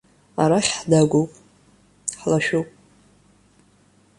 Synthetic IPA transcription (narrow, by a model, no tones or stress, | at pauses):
aɾaχʲħdaɡʷowpʼ | ħlaʃᶣupʼ